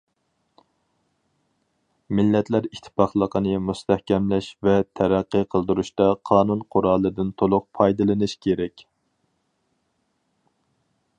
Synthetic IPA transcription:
mɪlːɛt̪ʰlæɾikt̪ʰɪ̥pɑχlˠəqʰənɨmust̪ʰɛhkʲɛmlæʃvɛt̪ʰæɾæqːəqʰəlˠd̪uɾuʃt̪ɑqʰɑːnunqʰʊɾɑːlˠɨd̪ɨnt̪ʰolˠʊq̚pʰɑjd̪ɨlˠɨnɨʃkʲʰeɾɛkʲ

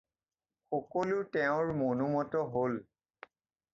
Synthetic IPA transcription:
xɔkɔlʊtɛʊ̃ɹmonumɔtɔɦol

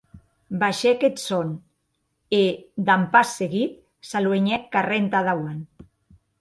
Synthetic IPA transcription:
baʃeket̪son | ed̪ampasːeɣit̪ | salweɲɛkːarent̪aðawan

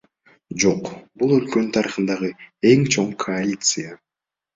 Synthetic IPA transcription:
d͡ʒo̞qbulˠø̞lkønynt̪ʰɑɾɯχɯnd̪ɑʁɯe̞ŋt͡ʃʰo̞ɴkʰoalʲit̪sɨja

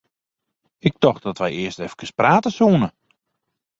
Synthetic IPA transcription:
ɪk̚dɔxt̚dɔtʋɛjɪəstɛfəkəspraːtəsuənə

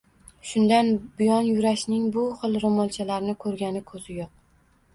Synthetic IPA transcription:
ʃʊnd̪anbɪjɒnjʊɾaʃnɪŋbʊχɨlˠɾomɒlˠt͡ʃʰalaɾnɪkʰɵɾɡʲanɪkʰɵz̥ɪjoq̚

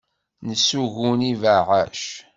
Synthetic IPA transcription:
nəsːuʝunivəʕaʃ

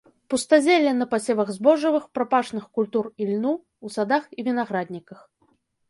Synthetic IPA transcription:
pust̪azʲɛlʲːɛnɐpasʲɛvɐɣzbɔʐɐvɨxpɾapaʂnɨxkulʲt̪urilʲnu | usad̪axivʲinaɣɾad̪ʲnʲikɐx

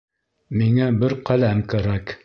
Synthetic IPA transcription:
miŋæbɘɾqælæmkæɾæk

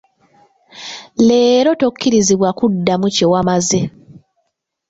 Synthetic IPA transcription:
le̞ːɾo̞to̞kʰːiɾiziβwakudːamucewamaze

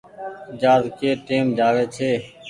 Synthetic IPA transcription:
d͡ʒaːzkeːʈeːmd͡ʒaːʋeːt͡ʃʰeː

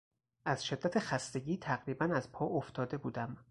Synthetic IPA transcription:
ʔæz̥ʃed̪̥ːæt̪ʰe̞xæst̪e̞ɟiːt̪ʰæɣɾiːbænæzpʰɒːoft̪ʰɒːd̪e̞buːd̪æm

